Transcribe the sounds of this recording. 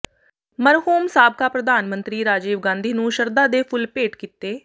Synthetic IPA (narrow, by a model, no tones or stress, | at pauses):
məɾɦuːmsaːb̚kaːpɾəd̪aːnmənt̪ɾiːɾaːd͡ʒiːʋɡãːnd̪ʱiːnũːʃəɾd̪aːd̪eːpʰʊlpeːʈkit̪eː